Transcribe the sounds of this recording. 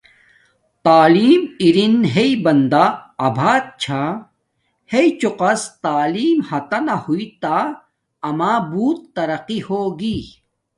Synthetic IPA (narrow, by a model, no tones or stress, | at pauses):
t̪aːliːmiɾinɦeibɐnd̪aɐbʱaːt̪̚t͡ɕʰa | heit͡ɕuqɐst̪aːliːmhɐt̪ɐnɐhuit̪a | ɐmaːbuːt̪ːɐɾɐqihoːɡi